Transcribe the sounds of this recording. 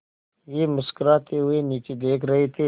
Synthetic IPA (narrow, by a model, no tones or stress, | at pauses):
jeːmʊskəɾat̪ʰeɦʊeniːt͡ʃed̪eːkʰɾɐɦet̪ʰi